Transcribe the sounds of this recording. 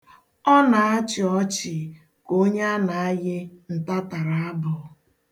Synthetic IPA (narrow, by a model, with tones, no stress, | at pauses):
ɔ˦na˨a˦t͡ʃɪ˨ɔ˦t͡ʃɪ˨ | ko˦ɲa˦a˦na˨a˦ɣɪ˦n̩˨ta˦ta˨ɾa˨a˦bʊ˨